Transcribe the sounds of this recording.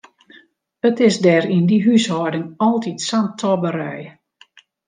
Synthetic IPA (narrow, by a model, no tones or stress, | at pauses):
ətɪsdɛːɾindiɦyshɔːdəŋɔlˠtitsantʰɔbəɾɛj